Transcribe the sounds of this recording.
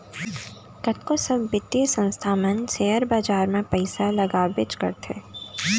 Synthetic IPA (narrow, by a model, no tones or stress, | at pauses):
kɐt̪̚kosɐbːɪt̪esə̃nst̪ʰamə̃nseːəɾbaːd͡ʒaːɾmẽpɐɪsalɐɡaːbɪt͡ʃkɐ̰ɾt̪ʰḛː